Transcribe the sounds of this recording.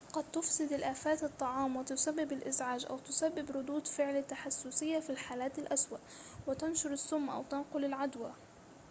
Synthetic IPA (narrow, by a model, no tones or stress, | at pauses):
qɑd̪̚t̪ʊfsɪd̪alʔaːfaːt̪ɨt̪ˤːɑʕɑːmwɪt̪ʊsabːɪbɪlʔɪzʕaːd͡ʒʔa̰wt̪ʊsabːɪbɾʊd̪uːd̪fɪʕlɪt̪ːaħasːʊsɪjːafilħaːlaːt̪alʔaswaʔwɪt̪anʃʊɾɪsːʊmːʔa̰wt̪anqʊlɪlʕad̪wa